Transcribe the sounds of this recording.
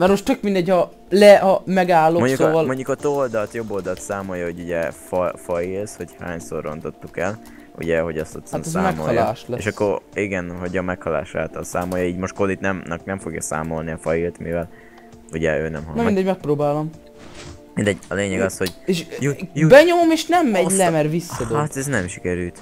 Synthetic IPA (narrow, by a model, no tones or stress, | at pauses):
mɛrmo̞ʃt̪t̪økmind̪ɛɟhɒ | lɛɒmɛɡaːlːomoɲɟuolmo̞ɲɟukɒt̪old̪ɒt̪jo̞bːold̪ɒt̪saːmo̞jɒho̞ɟuɟɛfɒfɒjilsho̞cha̰ːɲsorːo̞nt̪o̞t̪ːukɛl | ṵɟɛɦoɟɒst̪t̪asamːɛmko̰lːlaːʃlɛḛʃɒkːoɾiɡɛnɦo̞ɟɒmɛkhɒla̰ːʃa̰ːt̪ɒlsaːmojɒiːɟmo̞ʃt̪̚kolit̪nɛmnɒknɛɱfo̞ɡjɒ̰sa̰ːmo̞lniɒfɒjilt̪mivɛl | uɟɛøːnɛmɦɒnmind̪ɛɟmɛk̚proːbaːlom | mind̪ɛɟɒleːɲɛɡɒshoɟeʃbɛɲo̞momeːʃnɛmːɛɟllɛmɛrvisːɒd̪oat̪ɛznɛmʃi̥kɛɾylt̪